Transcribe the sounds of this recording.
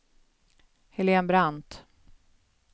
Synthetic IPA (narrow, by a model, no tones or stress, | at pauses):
hɛleːnbɾant̪